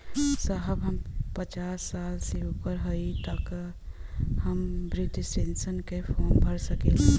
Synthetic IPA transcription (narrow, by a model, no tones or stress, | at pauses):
səɦəbɦəmpət͡ʃaːsːaːlseupəɾɦəit̪ək | həmbɾiʈisʈensənkepʰoːnbʱəɾsəkele